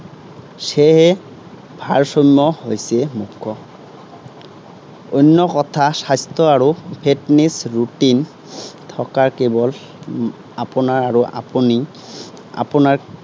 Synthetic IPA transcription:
seɦɛ | bʱaɹsɔmːɔhojsɛmukʰːɔ | ojnːɔkɔtʰasajstɔaɹupʰetnisɹutin | tʰɔkaɹkebɔl | apunaɹaɹuʔa̰puni | a̰punaɹ

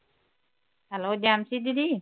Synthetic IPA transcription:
halod͡ʒamsididi

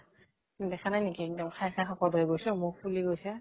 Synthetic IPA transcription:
dɛxʰanajnikidɔmkʰajkʰajxɔkɔdʱoɛɡojsɔ̃mupuliɡojsɛ

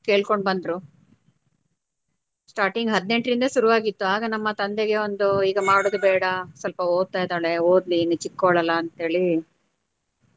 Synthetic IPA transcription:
ke̞ːɭkoɳɖbɐnd̪ɾu | sʈaːɾʈiŋɡɦɐd̪ne̞ɳʈɾind̪ɐsuɾuʋaːɡit̪ːuaːɡɐnɐmːɐt̪ɐnd̪eɡe̞ond̪uiːɡɐmaːɽud̪ubɛːɽɐsɐlpɐoːɡ̪̚t̪aːjd̪aːɭeoːd̪linut͡ʃikːoɭɐlːɐːnt̪ɦe̞ːɭi

